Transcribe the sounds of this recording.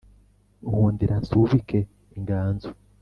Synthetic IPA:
uhuːndiɾansuvikʰe | iŋɡaːnzu

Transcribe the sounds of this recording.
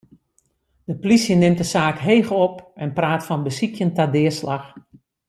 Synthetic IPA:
d̥əplisjənɪmtəsaːkɦejɣɔpɛnpraːtfɔnbəsikʰjəntadɪːəslax

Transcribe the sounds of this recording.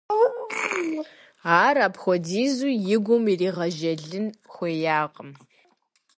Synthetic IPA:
aːɾaːpxʷɔdiːzuːjɪɡʷʊmiriːʁɐʒɐɮɨnxʷeːjaːqəm

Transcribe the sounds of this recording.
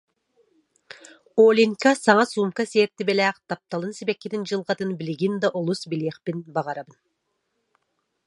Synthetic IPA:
olʲiŋʲkasɑŋɑsumkaseːɾt̪ːibelʲæqt̪ɑp̚t̪ɑlˠɯnsibekːed̪ind͡ʒɯlˠʁɑt̪ɯnbɪlʲiɡʲind̪aʔolˠusbilʲeχpinbɑʁɑɾabɯn

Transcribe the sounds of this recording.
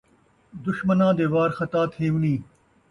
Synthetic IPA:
d̪ʊʃmənãːd̪eːʋaːɾxɐt̪aːt̪ʰeːũːnĩː

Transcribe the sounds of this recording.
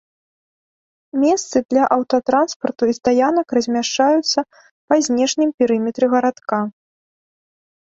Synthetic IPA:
mʲɛst̪sɨd̪lʲɐʔɐwt̪ɐt̪ɾanspɐrt̪uist̪ajanɐkrɐzʲmʲaʂt͡ʂajut̪sːɐ | pɐzʲnʲɛʂnʲimpʲiɾɨmʲɛt̪ɾɨɣɐɾat̪ka

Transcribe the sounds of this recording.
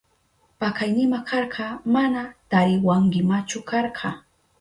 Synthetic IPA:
pakajnɪmakʰɑɾɢɑmanat̪aɾjwaɴɢɪmat͡ʃʊkɑɾɢʰɑ

